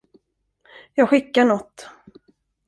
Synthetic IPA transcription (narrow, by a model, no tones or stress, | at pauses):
jɑːɡɧɪkːaɳɔt̪ː